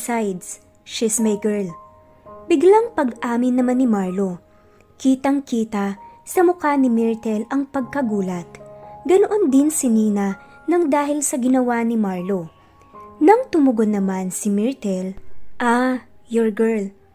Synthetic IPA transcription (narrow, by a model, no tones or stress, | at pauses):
sajd̪s | ʃɪsmɛjɡɛɹl | bɪɡlaŋpɐɡʔaːmɪnːɐmanːɪmaɹlo | kiːt̪ɐŋkiːt̪ɐsɐmʊkanɪmɛɹt̪ɛlɐŋpɐɡ̚kɐɡuːlɐt̪̚ɡɐnoʔond̪ɪnsɪniːnɐ | nɐŋd̪aːɦɪlsɐɡɪnɐwanɪmaɹlo | nɐŋt̪ʊmʊɡod̪nːɐmansɪmɛɹt̪ɛlʔajoɹɡɛɹl